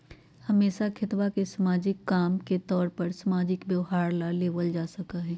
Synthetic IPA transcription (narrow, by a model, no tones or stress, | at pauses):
hɐmeːʃakʰɪt̪wakesɐmaːd͡ʒɪkːaːmket̪ɔːɾpəɾsɐmaːd͡ʒɪkbjəʊɦaːɾlaleːʋəld͡ʒaːsɐkaɦɛː